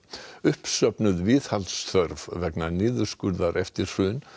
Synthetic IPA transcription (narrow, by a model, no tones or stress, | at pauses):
ʏhpsœpnʏðvɪð̥halt̪sθœɾv̥vɛknanɪːðʏɾ̥skʏɾðaɾʔɛft̪ɪɾ̥sʏn